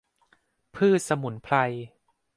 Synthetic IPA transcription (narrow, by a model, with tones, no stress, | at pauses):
pʰɯː˥˩t̪̚sa˧mu˩˦npʰla˧j